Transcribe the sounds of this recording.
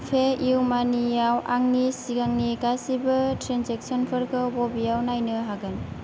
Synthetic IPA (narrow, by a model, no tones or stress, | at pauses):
pʰeiwmanijawaŋnisiɡaŋniɡasibɯtɾenzek̚sɔnpʰɯɾkʰɯbɔbijawnajnɯɦaɡɯn